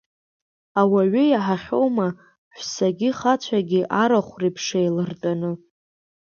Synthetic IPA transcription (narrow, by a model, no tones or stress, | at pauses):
awaɥʏjaħaχʲo̞wma | ħʷsaɡʲɪχat͡ɕʷʰaɡʲiʔaɾaχʷrepʰʂejlɨrtʼanɨ